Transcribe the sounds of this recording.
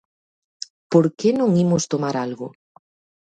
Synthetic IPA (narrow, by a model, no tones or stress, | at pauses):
poɾkenõŋimʊst̪omaɾalɣʊ